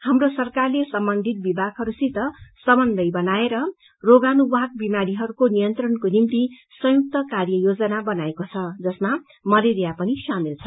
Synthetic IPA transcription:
hamrosʌrkarlesʌmbʌnd̪ʱit̪̚bibʱaɡɦʌɾusit̪ʌsʌmʌnd̪ʌjbʌnaeɾʌ | roɡanubʱaɡ̚bimaɾiɦʌɾukonijʌnt̪rʌnkonimt̪i | sʌ̃juk̚t̪ʌkarjʌjod͡zʌnabʌnaekot͡sʰʌd͡zʌsma | mʌleɾjapʌnisamilt͡sʰʌ

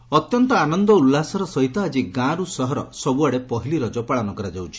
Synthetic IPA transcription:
ɔt̪jɔnt̪ɔanɔnd̪ɔulːasɔɾɔsɔɦit̪ɔad͡ʒiɡãɾusɔɦɔɾɔ̰sɔbuaɽepɔɦiliɾɔd͡ʒɔpaɭanɔkɔɾad͡ʒawt͡ʃʰi̥

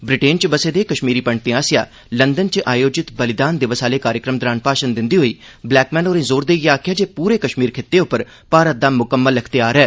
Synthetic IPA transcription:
bɾɪʈeːnt͡ʃbəseːd̪eːkəʃmiːɾiːpəɳt̪ẽaːsɪja̰ː | lənd̪ənt͡ʃəʔaːjoːd͡ʒɪt̪bəlɪd̪aːnd̪ɪʋəsaːleːkaːɾjəkɾəmd̪ɾaːnpaːʃənd̪ɪnd̪iːɦoːiː | blɛːkmɛ̃ːnoːɾẽzoːɾd̪eːjaːkʰjaːd͡ʒeːpuːɾeːkəʃmiːɾkʰeːt̪ːeːʊpːəɾ | paːɾət̪̚d̪aːmʊkəmːəlːəkʰt̪ejaːɾɛː

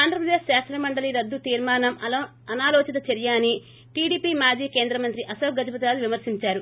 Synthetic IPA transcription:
aːnd̪ɾɐpɾɐd̪eːʃʃaːst̪ɾɐmɐɳɖɐliɾɐd̪ːut̪iːɾmaːnɐmɐ | ɐnaːlɔːt͡ʃɐt̪ɐt͡ʃɐɾijaːni | ʈiːɽiːpimaːd͡ʒiːke̞ːnd̪ɾɐmɐnt̪ɾiʔɐsɐːɡɐd͡ʒɐpɐt̪ɾaːluʋimɐɾsiɲt͡ʃaːɾu

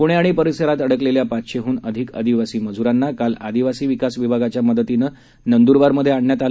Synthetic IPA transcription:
puɽ̃eaɽ̃ipəɾisəɾat̪əɽəkleljapat̪ɕeɦuːnəd̪ʱikə̰d̪iʋasiːməd͡zuɾanːakalad̪iʋasiːʋikasʋibʱaɡat͡ɕjaməd̪ət̪inə | nənd̪uɾʋaɾməd̪ʱjeaɳɳjat̪a

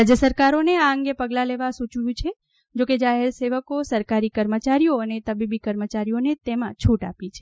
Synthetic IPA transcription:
ɾad͡ʒjəsəɾkaɾoneaəŋɡepəɡlaleʋasut͡ʃjũt͡ʃʰe | d͡ʒoked͡ʒaɦeɾseʋəkosəɾkaɾikəɾmət͡ʃaɾijoənet̪əbibikəɾmət͡ʃaɾijonet̪emãt͡ʃʰuʈa̰pit͡ʃʰe

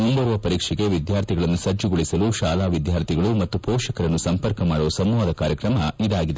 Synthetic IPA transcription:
umbɐɾʋɐpɐɾiːkʂɛɡe̞ʋid̪jaːɾt̪ʰiɡɐɭɐnːusɐd͡ʒuɡoɭisɐluʃaːlaːʋid̪jaːɾt̪ʰiɡɐɭumɐt̪ːupɔːʃɐkɐɾɐnːusɐmpɐɾkɐmaːɽusɐmːʋaːd̪ɐkaːɾjɐkɾɐmɐid̪aːɡid̪e

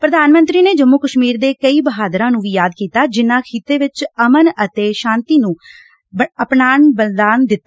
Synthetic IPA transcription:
pɾəd̪aːnmə̃nt̪ɾiːneːd͡ʒəmːuːkəʃmiːɾd̪eːkəiːbəɦaːd̪ɾãːnũːʋiːjaːd̪kiːt̪aːd͡ʒɪnãːkʰiːt̪eːʋɪt͡ʃəmənət̪eːʃãːnt̪iːnũː | əpnaːnbəld̪aːnd̪ɪt̪ːa

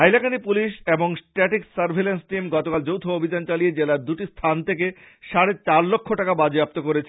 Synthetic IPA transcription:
ajlakanipuliʃeboŋsʈɛʈiksaɾbʱelensʈimɡɔt̪okald͡ʑowt̪ʰoobʱid͡ʑant͡ɕalijed͡ʑelaɾd̪uʈist̪ʰant̪ʰek̬e | ʃaɽet͡ɕaɾlokʰːoʈakabad͡ʑiap̚t̪okoɾet͡ɕʰe

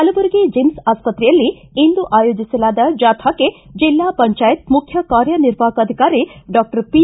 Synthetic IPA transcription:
ɦɐlɐʋɐɾiɡed͡ʒemsaːspɐt̪ɾijɐlːi | ind̪uʔaːjoːd͡ʒiselaːd̪ɐd͡ʒaːt̪ʰaked͡ʒilːapɐɲt͡ʃaːjit̪mukʰjɐkaːɾjɐniɾbʱaːkɐd̪ʱikaːɾiɖɔk̚ʈɐɾpi

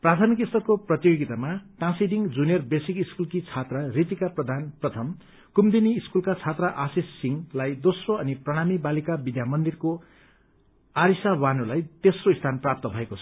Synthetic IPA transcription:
prat̪ʰʌmikist̪ʰʌrkoprʌt̪joɡit̪amaʈãsiɖiŋd͡zunijʌrbesikiskulkit͡sʰat̪rʌrit̪ikaprʌd̪ʱanprʌt̪ʰʌm | kumd̪iniːskulkat͡sʰat̪raʔasisːiŋlajd̪osroʌniprʌɽ̃amibalikabid̪jamʌnd̪irko | aɾisawanulajt̪esroist̪ʰanprap̚t̪ʌbʱʌekot͡sʰʌ̥

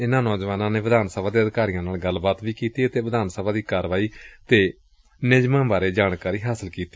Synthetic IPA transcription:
ɪnãːnɔːd͡ʒʋaːnãːneːʋɪd̪aːnsəbʱaːd̪eːəd̪ɪkaːɾijãːnaːlɡəlbaːt̪ʋiːkiːt̪iːət̪eːʋəd̪aːnsəbaːd̪iːkaːɾʋaːiːt̪eː | nɪd͡ʒmãːbaːɾeːd͡ʒaːɳkaːɾiːɦaːsəlkiːt̪i̥ː

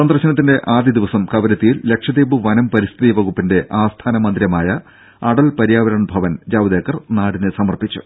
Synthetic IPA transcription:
sɐnd̪rɐɕɐnɐt̪ːinde̞ʔaːd̪ʱiɐd̪iʋɐsɐmkɐʋɐɾɐt̪ːijilːe̞kʂɐd̪iːbuʋɐnɐmpɐɾist̪ʰiðiʋɐɣupːinde̞ʔaːst̪ʰaːnɐmɐnd̪ɾjɐmaːjɐ | ɐɽɐlpɐɾijaːʋɐɾɐɳbʱɐʋɐnd͡ʑaːʋɐd̪eːkːɐrnaːɽinɨsɐmɐrpit͡ɕːṵ

